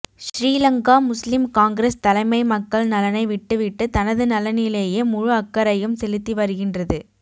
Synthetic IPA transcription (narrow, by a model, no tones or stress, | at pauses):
ʃɾiːlɐŋɡaːmʊslɪmkaːŋɡɪɾɐst̪ɐlɐɪmɐɪmɐkːɐɭnɐlɐnɐɪʋɪʈːɯʋɪʈːɯt̪ɐnɐðɯnɐlɐnɪleːjeːmʊɻʊɐkːɐɾɐjɯmsɛlɪt̪ːiʋɐɾɯɣɪndrɐðɯ